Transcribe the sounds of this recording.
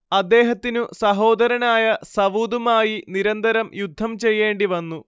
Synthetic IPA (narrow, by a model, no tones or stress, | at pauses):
ɐd̪ːe̞ːɦɐt̪ːinusɐɦo̞ːd̪ɐɾɐnaːjɐsɐʋuːd̪umaːjiniɾɐnd̪ɐɾɐmjud̪ʱːɐmt͡ɕe̞jːe̞ːɳɖiʋɐnːu